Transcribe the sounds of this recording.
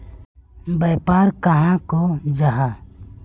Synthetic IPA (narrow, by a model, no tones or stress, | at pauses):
bəpaːɾkəɦãkod͡ʒaɦa